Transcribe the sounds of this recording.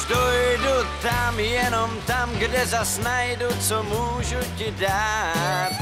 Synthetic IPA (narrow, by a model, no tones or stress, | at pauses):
st̪ojdut̪amjɛnomt̪amɡdɛzasnajdut͡somuːʒucɪdaːt̪